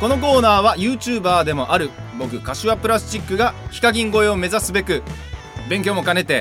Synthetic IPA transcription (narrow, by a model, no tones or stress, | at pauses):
ko̞no̞ko̞ːnaːβajɯ̟ːt͡ɕɨːbaːd̪e̞mo̞ʔaɾɯ̟bo̞kɯ̟kaɕiβapɯ̟ɾasɨ̥t͡ɕikːɯɡaçi̥kaɡʲĩŋɡo̞e̞ome̞zasɨbe̞kɯ̟ | bẽ̞ŋk̬ʲoːmo̞kane̞t̪e̞